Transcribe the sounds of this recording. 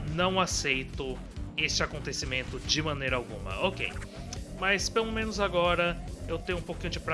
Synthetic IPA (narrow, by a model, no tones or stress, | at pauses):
nɐ̃w̃asejt̪ʊ | est͡ʃɪakõnt̪esimẽnt̪ʊd͡ʒɪmɐ̃nejɾɐawɡṵ̃mɐ̰okḛjmɐspelomẽnʊzaɡɔɾɐewt̪ẽjɲʊũpokĩɲʊd͡ʒɪpɾ